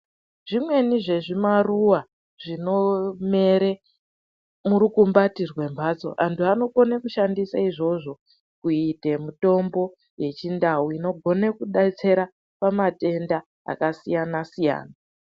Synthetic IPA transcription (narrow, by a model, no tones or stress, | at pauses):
ʐimwe̞niʐe̞ʐimaruwa | ʐ̥ino̞me̞ɾe | muɾukumbatirwe̞mbʱat͡so̞̰ʔantuano̞ko̞nekuʃandisaiʐo̞ʐo̞ | kuite̞muto̞mbo̞ | je̞t͡ʃindawuino̞ɡʱo̞ne̞kuɗat͡se̞ɾa | pamate̞nda | a̰kasijanasija̰ːna